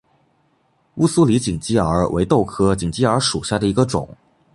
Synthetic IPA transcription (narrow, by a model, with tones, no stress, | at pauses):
u˥˧su˥li˧˥t͡ɕi˨˩ŋt͡ɕi˥˩ə̰˞˧˥wʔḛ˧˥ɪt̪o˥˩ʊkʰɤ˥t͡ɕi˨˩ŋt͡ɕi˥ə˞˧˥ʂu˨˩ɕja˥˩d̪ə˩i˧˥ɡə˧ʈ͡ʂʊ̰˨˩˦ŋ